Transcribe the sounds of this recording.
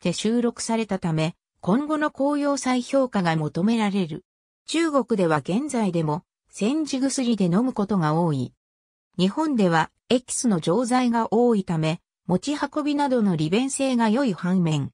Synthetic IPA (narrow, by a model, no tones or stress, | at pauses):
t̪e̞ɕɨːɾo̞kɯ̟̥saɾe̞t̪at̪ame̞ | kõ̞ŋɡo̞no̞ko̞ːjo̞ːsaiço̞ːkaɡamo̞t̪o̞me̞ɾaɾe̞ɾɯ̟̰ | t͡ɕɨːɡo̞kɯ̟d̪e̞βaɡẽ̞nd͡zaid̪e̞mo̞ | sẽ̞ɲ̟d͡ʑiɡɯ̟sɨɾʲid̪e̞no̞mɯ̟ko̞t̪o̞ɡaoːi | ɲ̟ihõ̞nd̪e̞β̞a | e̞kʲi̥sɨno̞d͡ʑo̞ːzaiɡaʔo̞ːit̪ame̞ | mo̞t͡ɕihako̞bʲinad̪o̞no̞ɾʲibẽ̞ɰ̃se̞ːɡajo̞ihãɰmẽ̞ŋ